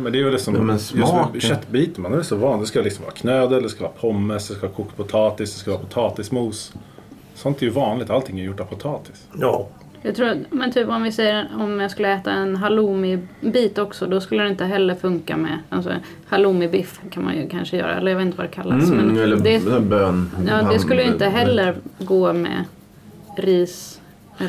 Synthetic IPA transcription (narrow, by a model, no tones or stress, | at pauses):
mɛnd̪ɛːjvɛlɪksɔmɛjskɕɛt̪ːbiːt̪ənmanɛɛsɔvɑːnd̪ɛskajalɪksɔmvɑ̰ːɾakʰnøːd̪əɾɛld̪ɛskavɑ̰ːɾapʰɔmːəsd̪ɛskavɑːkʰuːkt̪̚pʰʊt̪ʰɑːt̪ɪsd̪ɛskavɑːɾapʰʊt̪ʰɑːt̪ɪsmuːs | sɔnt̪ɛɾjɵvɑːnlɪɡ̚t̪alt̪ʰɪŋːaɾjʊʈːɛɾpʰʊt̪ʰɑːt̪ɪ̥s | jɑɡt̪ʰɾuːmɛnt̪ʰyːpɔmvɪsɛjəɾɔmjɑɡskɵlːəɛːt̪aɛnɦaluːmɪbiːt̪ɔksɔd̪ɔskɵlːəɾɛɪnt̪əɦɛlːəɾfɵŋka̰mɛ̰alsɔ̰ | haluːmɪbɪfkʰanma̰njɵkʰanʂəjœ̰ːɾa̰ɛlːəjɑvet̪nt̪vad̪ɛkʰalːasmɛnlːd̪ɛbøːnjɑːd̪ɛskɵlːəjɵɪnt̪əɦɛlːəɾɡoːmɛ̰ | ɾiːs | ɛ